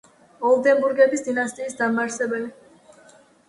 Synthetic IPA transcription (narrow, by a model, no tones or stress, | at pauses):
ɔlˠd̪ɛmbuɾɡɛbisd̪inast̪ʼiːsd̪amaɾsɛbɛli